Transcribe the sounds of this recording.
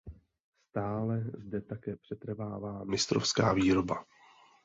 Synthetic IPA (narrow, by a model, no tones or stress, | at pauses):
st̪aːlɛzdɛt̪akɛːpr̝̥ɛt̪r̩vaːvaːmɪst̪ɾo̰fskaːviːɾo̞ba